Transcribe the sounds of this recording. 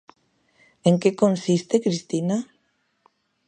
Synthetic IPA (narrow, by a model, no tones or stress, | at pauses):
eŋkekonsist̪ekɾist̪ina